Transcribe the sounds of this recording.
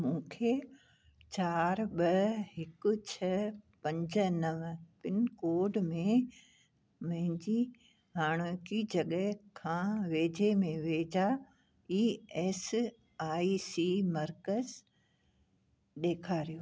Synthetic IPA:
mũːkʰe | t͡ɕaːɾɓɐɦɪkʊ̆t͡ɕʰɐpɐ̃ɲd͡ʑənɐʋpɪnkoːɖmẽ | mɐ̃ɦɪ̃ɲd͡ʑi | ɦaːɽ̃okid͡ʑɐɠəɦkʰãːʋeːd͡ʑemẽʋeːd͡ʑa | iːɛːs | aːisimɐɾkəz | ɗeːkʰaːɾijoː

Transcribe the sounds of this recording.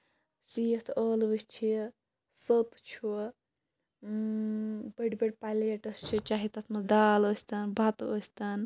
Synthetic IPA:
sit̪ʰoːlbɨst͡ʃʰi | sot̪t͡ʃʰu | bɐɖbɐɽʲpaleeʈɐst͡ʃʰit͡ʃaːɦit̪ɐt̪ʰmɐd̪aːloːsʲt̪ɐnbʱɐt̪oːsʲt̪ɐn

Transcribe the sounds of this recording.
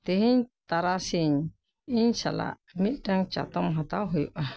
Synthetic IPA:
t̪eɦiɲt̪aɾasiɲ | iɲsa̰la̰ | miʔdaŋt͡ʃa̰t̪ɔmɦat̪awɦɔjuʔa

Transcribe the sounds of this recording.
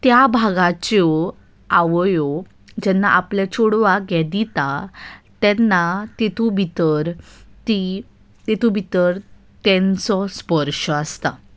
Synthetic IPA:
t̪jabʱaɡat͡ɕɔ | aʋjo | d͡ʑɛnːaʔaplet͡ɕʰoɽʋaɡɛd̪it̪at̪ɛnːat̪et̪ubʱit̪əɾt̪i | t̪et̪ʰubʱit̪əɾ | t̪ɛ̃nt͡sɔspəɾʂəast̪a̰

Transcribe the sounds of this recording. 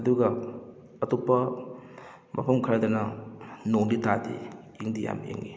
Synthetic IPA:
ɐduɡɐ | ɐtupːɐ | mɐ̰pʰɐmkʰɐɾadɐnɐnoŋditadḭ | iŋdija̰mḛŋːi

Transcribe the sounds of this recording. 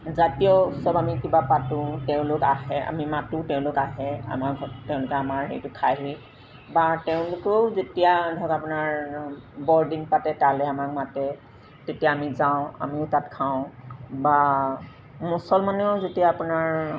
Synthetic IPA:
zatijɔsɔbamikibapatʊ̃tɛʊ̃lʊkaɦɛa̰mimatʊ̃tɛʊ̃lʊkaɦɛa̰maɹɡʱɔtɛʊ̃lʊkɛamaɹɦḛjtʊkʰaɦi | batɛʊ̃lʊkozetijadʱɔkapʊnaɹbɔɹdiŋpatɛtalɛamak̚matɛ | tetijaːmizaʊ̃a̰miʊtatkʰaʊ̃ba | musɔlmaneʊzetijaːpʊnaɹ

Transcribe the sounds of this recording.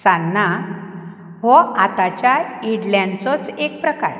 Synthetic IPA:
sanːa | ɦɔat̪at͡ɕjaiɽljãnt͡sɔt͡sek̚pɾəka̰ɾ

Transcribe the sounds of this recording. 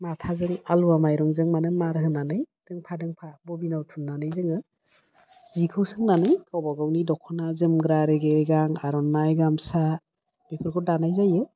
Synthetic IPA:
matʰazɯŋaluwamajɾɔŋzɯŋmanɯŋmaɾɦɯnanɯjd̥ɯŋpʰadɯŋpʰabɔbinawtʰunːanɯjzɯŋɯ | zikʰɯwsɯŋnanɯjkʰawbaɡawnidɔkʰːɔnazɯmɡɾaɾeɡeɡaŋaɾɔnːajɡamsa | bepʰɯɾkʰɔdanajzajɯ

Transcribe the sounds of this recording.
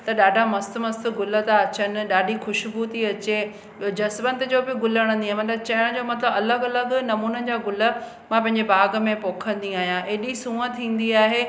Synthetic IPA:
t̪ɐɗaːɖʱamɐst̪mɐst̪ʊ̆ɡʊlə̆t̪aɐt͡ɕənɪ̆ɗaːɖʱixʊʃbuːt̪iɐt͡ɕe | d͡ʑɐsbə̃nt̪ɪ̆d͡ʑoːbɪɡʊləɽ̃ə̃nd̪iaːɦẽmɐt̪ləbt͡ɕɐjʊɽ̃d͡ʑoːmɐt̪ləbɐləɡɐləɡnɐmuːnəd͡ʑaːɡʊlə̆ | mãp̬ɐ̃ɦɪ̃ɲ̆d͡ʑebʱaːɡ̆mẽpoːkʰə̃nd̪iaːɦijãʔeːɗisũːə̃t̪ʰĩːn̆d̪iaːɦeː

